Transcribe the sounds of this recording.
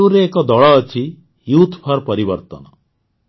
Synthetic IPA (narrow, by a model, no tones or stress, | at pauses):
uɾeːkɔd̪ɔɭɔːt͡ʃʰi | jut̪ʰpʰɔɾpɔɾibəɾt̪ɔ̰nɔ